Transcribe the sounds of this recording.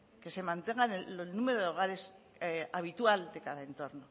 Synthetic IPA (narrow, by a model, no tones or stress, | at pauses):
ke̞se̞mãnt̪e̞ŋɡaneolnume̞ɾoðeo̞ɣ̞aɾe̞s | aβit̪uald̪e̞kaðae̞nt̪o̞ɾno̞